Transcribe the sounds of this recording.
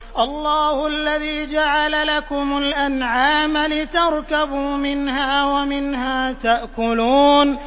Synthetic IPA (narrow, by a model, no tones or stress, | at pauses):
ʔɑlˤːɑːhʊʔalːaðiːd͡ʒaʕalalakʊmʊlʔanʕaːmlɪt̪ɑɾˤkabuːmɪnhaːwamɪnhaːt̪aʔkʊluːn